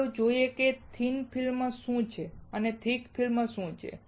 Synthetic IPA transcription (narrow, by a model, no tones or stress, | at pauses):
od͡ʒoieket̪ʰinpʰilmːãʃũt͡ʃʰeənet̪ʰikfʰilmãʃũt͡ʃʰḛ